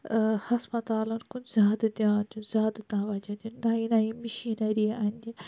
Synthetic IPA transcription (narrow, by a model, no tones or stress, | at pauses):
hɐspɐt̪aːlɐnkunzʲaːd̪d̪jãːnd͡ʒ̪ũzʲaːd̪t̪ãːʋɐd͡ʒɐd̪innaːinaːimiʃiːnɐɾiɐnʲd̪i